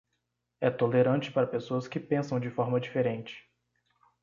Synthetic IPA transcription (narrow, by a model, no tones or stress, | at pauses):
ɛt̪oleɾɐ̃nt͡ʃɪ̥paɾɐpesoɐskɪpẽsɐ̃w̃d͡ʒɪfɔɾmɐd͡ʒifeɾẽt͡ʃɪ̥